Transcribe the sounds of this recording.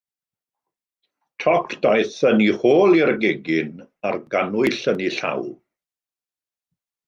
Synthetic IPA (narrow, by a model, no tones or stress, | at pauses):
tʰɔkʰd̥ajθənihoːlˠirɡeɡɪnarɡanʊɨɬəniɬa̰wlˠ